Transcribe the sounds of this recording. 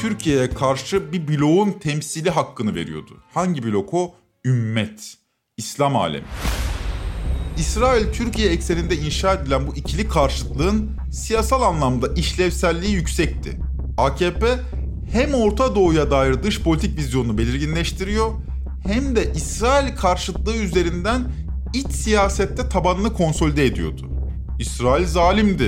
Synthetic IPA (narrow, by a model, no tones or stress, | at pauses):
t̪ʰyɾcʰijejɛkʰaɾʃɯbibilʲo̞unt̪ʰɛmsilʲiɦakːɯnɯve̞̰ɾḭjo̞̰d̪ʊ̰haɲɟibilʲo̞kʰo̞ | ymːɛt̪ | islʲama̰ːlʲḛmḭ | isɾaːilʲt̪ʰyɾcʰijɛːcse̞lʲind̪ɛinʃaːed̪ilʲænbuʔicʰilʲikʰaɾʃɯɯ̥klˠɯːɯn | sijasalˠanlˠamd̪aʔiʃlʲɛvsælʲːiːijycsɛc̚t̪ʰɪ̰ | acʰeːpɛ | hæmo̞ɾt̪ʰad̪o̞ːujad̪aːjiɾd̪ɯʃpʰo̞lʲit̪ʰic̚vʲizjo̞nunube̞lʲiɾɟinlʲɛʃt̪ʰiɾijo̞ | hæmd̪ɛʔisɾaːilʲkʰaɾʃɯklˠɯɯyze̞ɾind̪ænit͡ʃsijaːsɛt̪ʰːɛt̪ʰabanɯnɯkʰo̞nso̞lʲid̪eːd̪ijo̞̰d̪ʊ | isɾaːilʲzaːlʲimd̪ɪ